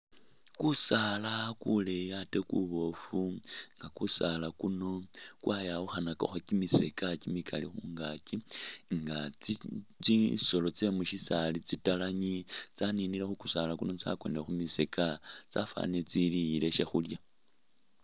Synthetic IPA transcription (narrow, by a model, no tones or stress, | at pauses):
kusaːlakulejate̞kṵβo̞fuŋɡakusalakuno̞kwajauxanako̰xocimisekacimikʰa̰lḭxuːŋɡakiŋɡat͡sit͡siso̞lo̞t͡semuʃisalit͡sitalaɲit͡saninilexukusalakuno̞t͡sa̰kwo̞nexumisekat͡sa̰fa̰net͡silijile̞ʃexulja